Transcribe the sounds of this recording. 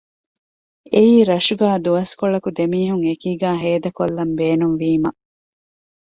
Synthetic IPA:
eiːɾɐʃuɡæːd̪uʋɐskoɭɐkud̪emiːɦuŋekiːɡæːɦeːd̪ɐkolːɐmbeːnumʋiːmɐ

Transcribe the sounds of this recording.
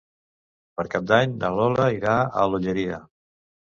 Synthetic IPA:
pəɾkap̚d̪aɲnəlɔləiɾaə̰luʎəɾiə

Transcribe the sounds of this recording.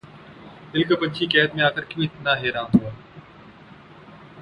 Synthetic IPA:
ɪlkəpət͡ʃʰiːkɛːət̪mẽːaːkəɾkĩĩːt̪ʰɪnd̪aːɦeːɾãːnɦoːaː

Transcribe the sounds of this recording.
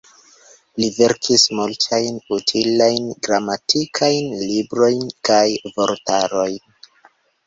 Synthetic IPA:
live̞ɾkʰismultʰajnutʰilajnɡɾamatʰikʰajnlibɾo̞jnkajvoɾtaɾo̞jn

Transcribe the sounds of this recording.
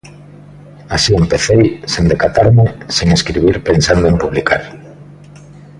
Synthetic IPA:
asiempeθejsend̪ekat̪aɾmeseŋeskɾiβiɾpensand̪oempuβlikʰa̰ɾ

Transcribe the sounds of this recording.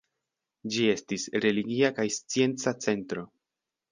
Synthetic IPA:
d͡ʒie̞stisɾe̞liɡiakajst͡sie̞nt͡sat͡se̞ntɾo̞

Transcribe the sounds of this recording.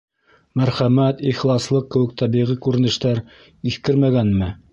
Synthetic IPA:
mæɾχæmæt̪iχlˠɑslˠɤq̚ːɘ̆wɘ̆k̚t̪ʰɑβiʁikʉɾɘ̆nɘ̆ʃt̪æɾ | iθkɘɾmæɡænmɘ

